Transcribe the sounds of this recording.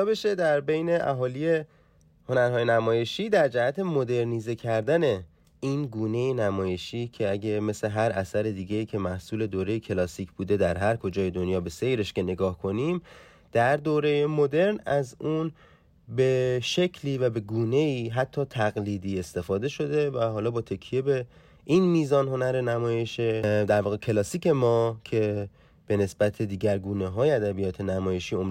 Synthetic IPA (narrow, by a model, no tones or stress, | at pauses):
beʃed̪æɾbe̞jne̞ʔæ̰ɦɒːlije̞ | ho̞næɾɦɒːjenæmɒːje̞ʃiːd̪æɾd͡ʒæhæt̪ʰe̞mo̞d̪e̞ɾniːze̞cʰæɾd̪æne̞ | iːnɡuːne̞jenæmɒːje̞ʃiːcʰeæɟeme̞sle̞ɦæɾʔæsæɾed̪iːɟeiːcʰe̞mæhsuːle̞d̪oːɾe̞jecʰe̞lɒːsiːcʰb̥uːd̪e̞d̪æɾɦæɾkʰo̞d͡ʒɒːje̞d̪onjɒːbe̞se̞jɾe̞ʃke̞ne̞ɡɒːhkʰo̞niːm | d̪̥æɾd̪oːɾe̞jemo̞d̪e̞ɾnæzuːn | beʃecʰliːvæbe̞ɡuːne̞iːɦæt̪ʰːɒːt̪ʰæɣliːd̪iːe̞st̪e̞fɒːd̪e̞ʃo̞d̪e̞væɦɒːlɒːbɒːt̪ʰe̞kʰije̞be̞ | ʔinmiːzɒːnɦo̞næɾe̞næmɒːje̞ʃed̪æɾvɒːɣecʰe̞lɒːsiːcʰe̞mɒːcʰe̞ | b̥e̞ne̞sb̥æt̪ʰe̞d̪iːɟæɾɡuːneɦɒːjeæd̪æbijɒːt̪ʰe̞næmɒːje̞ʃiːo̞m